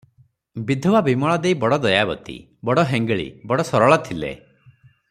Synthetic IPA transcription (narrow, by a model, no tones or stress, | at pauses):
bid̪ʱɔbabimɔɭɔd̪eibɔɽɔd̪ɔjabɔt̪ḭ | bɔɽɔɦeŋɡɭḭbɔɽɔsɔɾɔɭɔt̪ʰilḛ